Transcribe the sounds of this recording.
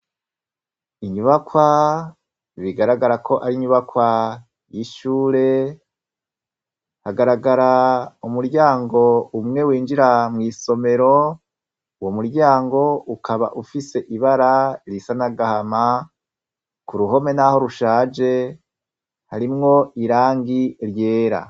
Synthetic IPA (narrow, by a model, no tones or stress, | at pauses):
iɲuβakwa | βiɡaɾaɡaɾakʰo̞ʔaɾiɲuβakwa | jiʃuːɾe̞ | haɡaɾaɡaɾaumuɾɟaːŋɡo̞umŋe̞wiːnd͡ʒiɾamŋiːso̞me̞ɾo̞ | womuɾɟaːŋɡo̞ukʰaβa̰ʔufise̞ʔiβaɾaɾisanaɡahama | kuɾuɦo̞me̞naho̞ɾuʃaːd͡ʒe̞ | haɾimŋo̞iɾaːŋɡiɾje̞ːɾa̰